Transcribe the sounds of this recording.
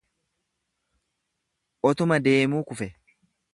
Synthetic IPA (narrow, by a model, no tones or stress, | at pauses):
ʔɔt̪ʊmɐd̪e̞ːmuːkʊfɛ